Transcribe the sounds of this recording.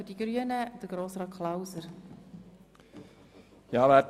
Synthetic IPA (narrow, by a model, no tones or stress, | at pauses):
ʏdiɡɾyənəd̥əɡɾoːsɾɑːkʰχlawsəɾ | jɑːʋæ